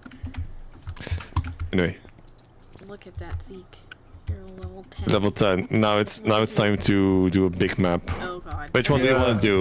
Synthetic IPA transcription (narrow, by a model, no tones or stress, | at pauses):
ɛniweɪ | lɛvl̩ˠtʰɛ̃nːaʊɨtsnaʊɨtstʰãɪ̃mtʰɨdɨəbɪɡmæpwɨt͡ʃwʌ̃ndɨjɨwɑ̃nɨdɨ